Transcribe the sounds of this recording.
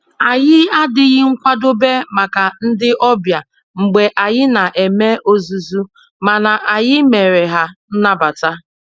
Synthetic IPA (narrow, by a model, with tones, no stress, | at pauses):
a˨ɣɪ˦a˦dɪ˨ɣɪ˦ŋ̩˦kʷa˦do˦be˦ma˨ka˨n̩˦dɪ˦ʔɔ˦bja˨ | ŋ͡m̩˨ɡ͡be˨ʔa˨ɣɪ˦na˨ʔe˨me˦ʔo˦zu˨zu˦ | ma˨na˨ʔa˨ɣɪ˦me˨ɾe˨ɦa˦n̩˦na˦ba˨ta˦